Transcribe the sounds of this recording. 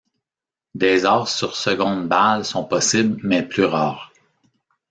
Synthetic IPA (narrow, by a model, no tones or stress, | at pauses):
d̪ɛzɑːʁsyʁsəɡɔ̃d̪balsɔ̃pɔsɪblmɛplyʁaːʁ